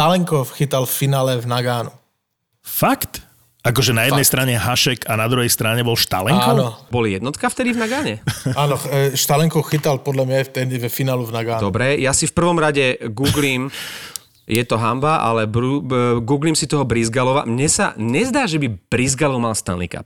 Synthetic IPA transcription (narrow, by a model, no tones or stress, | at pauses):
t̪alɛŋkɔfxit̪alffinaːlɛvnaɡaːnu | fakt̪ | akɔʒɛnajɛd̪ɛjst̪ɾaɲɛɦaʃɛkanad̪ɾuɦɛjst̪ɾaɲɛbɔlʃt̪a̰lɛŋakːɔnɔbɔlijɛd̪nɔt̪kaft̪ɛd̪ivnaɡaːɲɛaːnɔʃt̪alɛŋkɔxit̪alpɔd̪lamɲaft̪ɛd̪ivfinaːluvnaɡaːnd̪ɔbɾɛjasifpr̩ʋɔmɾaɟɛɡuːɡlim | jɛt̪ɔɦambaʔa̰lɛbɾuɡuːɡlimsit̪ɔɦɔbɾizɡalɔʋa̰mɲɛsa̰ɲɛzd̪aːʒɛbib̥ɾizɡalɔʊmalst̪a̰nnḭka̰p̚